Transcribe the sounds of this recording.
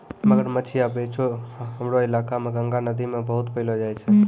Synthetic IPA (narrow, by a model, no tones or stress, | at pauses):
məɡəɾmət͡ʃʰiabet͡ʃʰoɦəmɾoɪlaːkamẽɡəŋɡanəd̪imẽbəɦʊt̪pəɪlod͡ʒaːjt͡ʃʰɛ